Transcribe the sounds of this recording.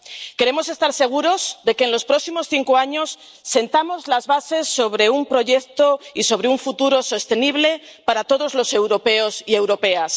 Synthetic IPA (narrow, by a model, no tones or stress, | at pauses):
ke̞ɾe̞mo̞se̞st̪aɾse̞ɣ̞uɾo̞zðe̞keːnlo̞spɾo̞ksimo̞sθiŋkoaɲo̞sː | e̞nt̪amo̞zlazβase̞sːo̞β̞ɾe̞umpɾo̞ʝe̞kt̪o̞iso̞β̞ɾeuɱfut̪uɾo̞so̞st̪e̞niβ̞le̞paɾat̪o̞ðo̞zlo̞se̞wɾo̞pe̞o̞sie̞wɾo̞pe̞as